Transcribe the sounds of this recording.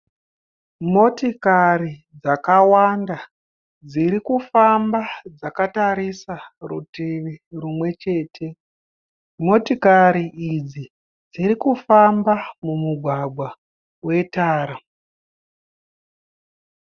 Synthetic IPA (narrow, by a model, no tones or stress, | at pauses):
mo̞tikari | d͡zakawanda | d͡ziɾikufambad͡zakataɾisarutiʋirumwe̞t͡ʃe̞ːtʰe̞ | mo̞tikaɾiʔid͡zi | d͡ziɾikufambamumuɡʱwaɡʱwa | we̞taːɾa